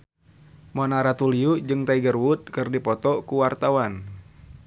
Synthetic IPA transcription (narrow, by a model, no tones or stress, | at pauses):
mɔnaɾat̪uliud͡ʒɨŋt̪aiɡərwut̪̚kɨrdipɔt̪ɔkuwart̪awan